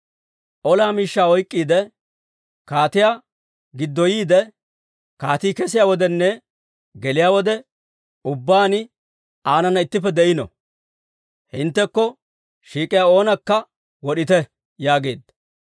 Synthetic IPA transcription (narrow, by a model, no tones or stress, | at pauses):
ʔɔlaːmiːʃːaːɔjkʼːiːd̪ɛ | kaːt̪ɪjaː | ɡɪd̪ːɔjiːd̪ɛ | kaːt̪iːkɛsɪjaːwɔd̪ɛnːɛ | ɡɛlɪjaːwɔd̪ɛ | ʊbːaːnɪ | aːnɐnːɐɪt̪ːɪpːɛd̪ɛjɪnɔ̰ | hɪnt̪ːɛkːɔ | ʃiːkʼɪjao̞ːnɐkːɐ | wɔɗɪt̪ɛ | jaːɡe̞ːd̪ːɐ